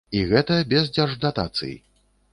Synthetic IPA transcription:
iɣɛt̪ɐjɐbʲɛzd͡zʲɛrʐd̪at̪at̪sɨ̰jḭ

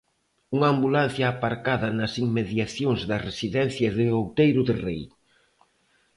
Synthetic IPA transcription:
uŋaːmbulan̟θjaːpaɾkaðɐnɐsiŋmeðjaθjoŋzðɐresiðɛn̟θjɐðɪowt̪ejɾʊðɪrḛj

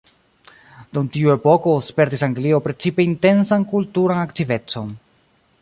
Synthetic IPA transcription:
dumtiue̞po̞ko̞spe̞ɾtisaŋɡlio̞pɾe̞t͡sipeinte̞nsankultuɾanaktive̞t͡so̞n

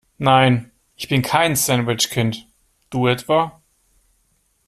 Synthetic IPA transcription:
naɪn | ʔɪçb̥ɪnkʰaɪnsɛndvɪt͡ʃkʰɪnt | d̥uːɛtv̥a

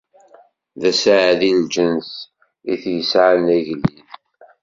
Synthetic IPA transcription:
ðæsʕðind͡ʒəns | iθjəsʕanæʝlːið

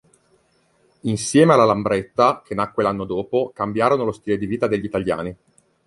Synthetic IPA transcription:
insjɛːmealːalambɾɛt̪ːakʰenakːwelanːod̪oːpokambjaːɾonolost̪iːled̪iviːt̪ad̪eʎːit̪aʎja̰ːni

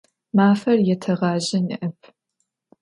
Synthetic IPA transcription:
maːfɐrjɛtʰɐʁɑːʒɐnḭʔɐp̚ʰ

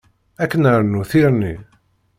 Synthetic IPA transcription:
ækːənəɾnuθiɾni

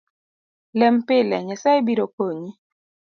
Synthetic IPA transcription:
lɛmpɪlɛ̰ɲɛsɛibiɾokoɲi

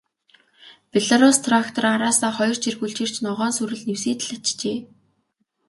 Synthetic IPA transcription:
pʲeɮaɾʊst̪ʰrakt̪ʰɔraɾaːsaːχɔjɞ̆r̥t͡ɕʰirxuɮt͡ɕĭr̥t͡ɕnɔʁɔːnsuɾɘ̆ɮnewsiːt̪ɮat͡ɕt͡ɕeː

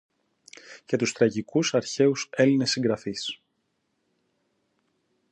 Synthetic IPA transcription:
ce̞t̪ust̪ɾɐʝikusɐɾçe̞use̞line̞sːiŋɡɾɐfis

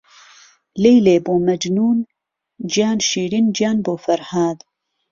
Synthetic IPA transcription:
lejleːboːmɐd͡ʒnuːn | d͡ʒijaːnʃiːɾind͡ʒjaːnboːfɐɾhaːd̪

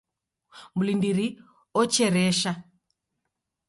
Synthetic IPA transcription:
mulindiɾi | ɔt͡ʃɛɾɛʃa

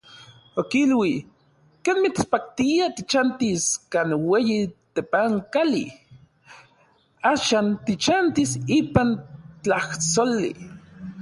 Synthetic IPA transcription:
okilwi | keːnmit͡spak̚t̪iat̪it͡ʃant̪iskaːnweːjit̪epaŋkalḭ | aːʃaːnt̪it͡ʃant̪isiːpant͡ɬaht͡solḭ

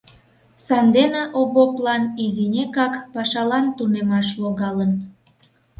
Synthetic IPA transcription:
sɑnd̪eneʔoβoplɑnizinʲekɑkpɑʃɑlɑnt̪unemɑʃloɣɑlən

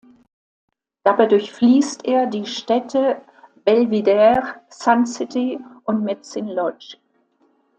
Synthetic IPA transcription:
d̥aːbaɪdʊɐçfliːstʔeːɐdiːʃtɛtʰə | b̥ɛlvidɛʁsansɪtʰiʔʊntmɛtsɪnlɔt͡ʃ

